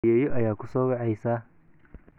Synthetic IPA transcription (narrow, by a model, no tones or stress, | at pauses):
jɛːjɔʔɐjaːkʰʊsɔːwɑʕɛjsaː